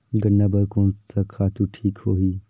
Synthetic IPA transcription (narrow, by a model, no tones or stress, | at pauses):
ɡənːaːbɐɾkõːnsɐkʰaːt̪uʈʰiːkhoːɦiː